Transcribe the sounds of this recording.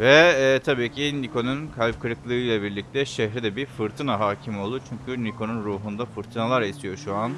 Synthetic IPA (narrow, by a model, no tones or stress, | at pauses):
vɛːt̪ʰabiːcʰinikʰo̞nunkʰalʲp̚kʰɯɾɯklˠɯɯjlˠabiɾlʲic̚t̪ʰɛʃɛɦɾid̪ɛbifɯɾt̪ʰɯnaɦaːcʰimolˠd̪ut͡ʃʰyɲcʰynikʰo̞nunɾuːɦund̪afɯɾt̪ʰɯnalˠaɾisijo̞ʃuan